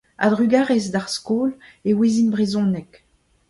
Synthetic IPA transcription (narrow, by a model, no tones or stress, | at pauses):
a̰d̪ʁyɡaːʁezd̪aʁskoːlewezinbʁezɔ̃nɛk